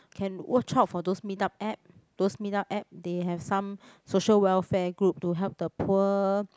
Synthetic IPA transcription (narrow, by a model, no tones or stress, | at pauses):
kʰɛ̃nwʔət͡ʃap̚fɔdosmitap̚ɛp̚ | d̥osmitap̚ɛp̚deɦɛvsãmsoʃəlwɛlfɛɡɹup̚tuɦɛlp̚dəpʰuə